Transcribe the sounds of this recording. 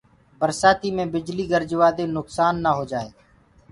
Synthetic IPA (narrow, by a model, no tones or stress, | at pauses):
bəɾsaːt̪iːmẽːbɪd͡ʒliːɡəɾd͡ʒʋaːd̪ẽːnʊksaːnːaːɦoːd͡ʒaːḛː